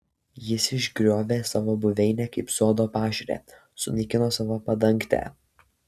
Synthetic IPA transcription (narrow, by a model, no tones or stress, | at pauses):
jɪsɪʒʲɡɾʲoːʋʲeːsɑːʋoːbʊʋʲɛɪnʲɛkɐɪpsoːd̪oːpɑːʒʲɛɾʲḛː | sʊnʲɐɪkʲɪnoːsɑːʋoːpɐd̪ɐŋʲˑkt̪ʲæ̰ː